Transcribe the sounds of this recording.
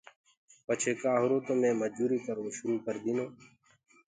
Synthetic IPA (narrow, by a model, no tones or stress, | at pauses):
pət͡ʃʰeːkaːɦʊɾoːt̪omẽːməd͡ʒuːɾiːk̪əɾoːʃʊɾuːkəɾd̪iːnoː